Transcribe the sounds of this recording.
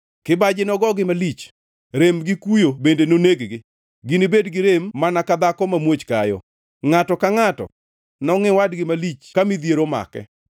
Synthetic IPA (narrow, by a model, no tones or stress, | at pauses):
kɪbad͡ʒɪnɔɡɔɡɪmalit͡ʃ | ɾemɡɪkujobendenoneɡɡɪ | ɡɪnɪbedɡɪɾemːanakad̪akɔmamwot͡ʃkajɔ̰ | ŋatɔkaŋatɔ̰ | nɔŋɪwadɡɪmalit͡ʃkamid̪jeɾoma̰kɛ̰